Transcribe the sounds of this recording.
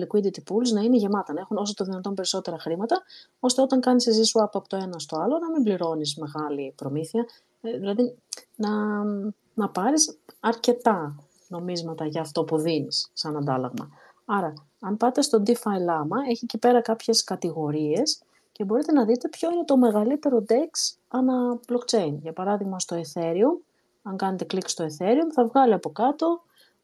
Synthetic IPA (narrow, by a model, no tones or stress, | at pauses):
likuid̪it̪ipuluznɐineʝe̞mɐt̪ɐnɐe̞xuno̞sot̪oðinɐt̪o̞mpe̞ɾiso̞t̪e̞ɾɐxɾimɐt̪ɐ | o̞st̪e̞o̞t̪ɐŋkɐnisezisuɐpɐpot̪o̞e̞nɐst̪o̞ɐlo̞nɐmimbliɾo̞nisme̞ɣɐlipɾo̞miθiɐ | ðilɐðinɐ | nɐpɐɾisɐɾce̞t̪ɐ | no̞mizmɐt̪ɐʝɐːft̪o̞puðinisːɐnɐnd̪ɐlɐ̰ɣmɐ̰ | ɐɾɐ | ɐmpɐt̪e̞st̪od̪ifɐjlɐmɐe̞çiecipe̞ɾɐkɐpçe̞skɐt̪iɣo̞ɾie̞s | ce̞bo̞ɾit̪e̞nɐðit̪e̞pço̞ine̞t̪o̞me̞ɣɐlit̪e̞ɾo̞d̪e̞ks | ɐnɐb̥lokt͡ʃe̞jnʝɐpɐɾɐðiɣmɐst̪o̞e̞θe̞ɾium | ɐŋkɐne̞t̪e̞klikst̪o̞e̞θe̞ɾiumθɐvɣɐliɐpo̞kɐt̪o̞